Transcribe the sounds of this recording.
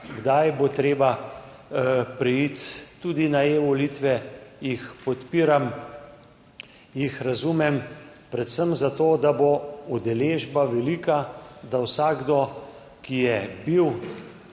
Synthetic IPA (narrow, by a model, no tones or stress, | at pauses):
ɡd̪ajbot̪ɾeːba | pɾɛjit̪ːuːd̪inaeːʋɔlit̪ʋɛjixpɔt̪piːɾam | jixɾazumɛm | pɾɛt̪səmzat̪oːd̪aboud̪ɛleːʒbaʋɛliːkad̪awsaɡd̪ɔ | kijɛbiw